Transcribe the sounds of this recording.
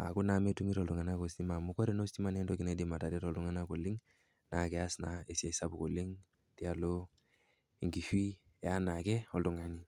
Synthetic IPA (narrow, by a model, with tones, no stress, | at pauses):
a̰˨ku˦na˨me˦tu˦mi˦ɾɔ˨ldu˨ŋa˨na˦ko˨sti˦ma˨mu˦kɔ˦ɾe˦no˦sti˦ma˨ne˦ndɔ˦ki˨ne˨˦di˨ma˨ta˨de˦ɾɔ˨ldu˨ŋa˦na˦ko˨li˦ŋ | na˨kɛ˨a˦sna˨e˨sa˨sa˦bu˨ko˨li˦ŋ | ti˦a˨lo˦ | i˨ŋɡi˨fi˦˨ | a˦na˨kɛ˦ɔ˨ldu˨ŋa˨ni˦